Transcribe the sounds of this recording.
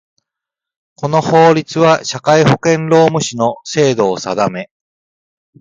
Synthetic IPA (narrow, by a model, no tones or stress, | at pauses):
ko̞no̞ho̞ːɾʲit͡sɨβaɕakaiho̞kẽ̞nɾo̞ːmɯ̟ɕino̞se̞ːd̪o̞ːsad̪ame̞